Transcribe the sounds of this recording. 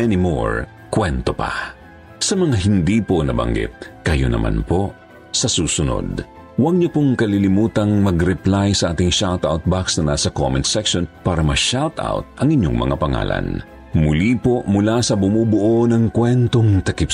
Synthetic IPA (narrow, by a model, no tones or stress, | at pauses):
ɛnɪmo̰ɹ | kwɛnt̪opɐ̰ | sɐmɐŋaɦɪnd̪iːponɐbɐ̰ŋɡɪ̰t̪̚kɐjo̰nɐ̰ma̰npo | sɐsuːsʊno̰d̪ | wɐɡ̚ɲʊpoŋkɐlilɪmuːt̪ɐŋmɐɡɾɛplajsɐʔaːt̪ɪŋʃalt̪awt̪̚baksnɐnasɐko̰mɛnt̪sɛkʃonpaːɾɐmɐʃalt̪a̰wt̪̚ʔɐŋɪɲoŋmɐ̰ŋa̰pɐŋa̰ːlɐ̰n | mʊlipo̞mʊlasɐbʊmuːbʊʔonɐŋkwɛnt̪oŋt̪ɐkɪp